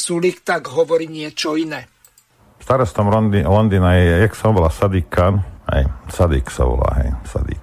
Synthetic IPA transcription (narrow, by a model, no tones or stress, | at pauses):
sulikt̪aɡɦɔʋɔɾiːɲɪɛt͡ʃɔinɛː | st̪aɾɔst̪ɔmlɔnd̪iːnajɛjɛksabɔlasad̪ikanhɛ̰jsad̪ḭksa̰ʋɔ̰la̰ɦɛ̰jsa̰d̪ḭk